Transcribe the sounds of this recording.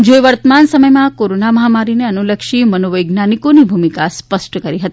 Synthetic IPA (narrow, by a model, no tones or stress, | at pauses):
d͡ʒojʋəɾt̪əmansəməjmãkoɾonaməɦamaɾineənuləkʃimənoʋəjɡnanikonibʱumikaspəsʈkəɾiɦət̪i̥